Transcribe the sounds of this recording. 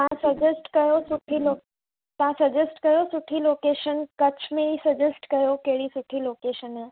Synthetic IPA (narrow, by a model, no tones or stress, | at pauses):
ãsɐd͡ʑesʈkɐjosʊʈʰilo | t̪ãsɐd͡ʒəsʈkɐjosʊʈʰiloːkeːʃənkɐt͡ɕʰmẽisɐd͡ʒesʈkɐjokeɦɽisʊʈʰiloːkeːʃənɦ